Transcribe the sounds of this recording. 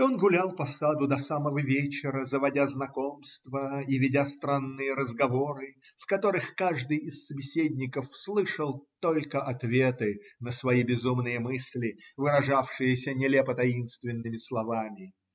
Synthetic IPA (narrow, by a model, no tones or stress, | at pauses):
o̞nɡʊlʲalˠpɐsad̪ʊd̪ɐsaməvəvʲet͡ɕɪɾəzəvɐdʲaznɐko̞mst̪vəivʲɪdʲast̪ɾanːɨjəɾəzɡɐvo̞ɾɨ | fkɐt̪o̞ɾɨxkaʐd̪ɨjɪsːəbʲɪsʲedʲnʲɪkəfslˠɨʂəlˠt̪o̞lʲkəʔɐt̪vʲe̞t̪ɨnəsvɐjibʲɪzumnɨjəmɨsʲlʲɪvɨɾɐʐafʂɨjəsʲənʲɪlʲepət̪ɐinst̪vʲɪnːɨmʲɪslˠɐvamʲɪ